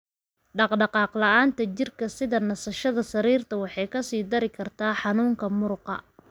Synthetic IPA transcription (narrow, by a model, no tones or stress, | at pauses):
ɖɑqɖɑqɑːqlɑaːnt̪ʰɐt͡ʃɪrkʰɐsɪðɐnɐsɐʃɐðɐsɐɾiːrt̪ʰɐwɑħɑjkʰɐsiːd̪ɐɾɪkʰɐrt̪ʰaːħɑnuːŋkʰɐmʊɾqɑ̰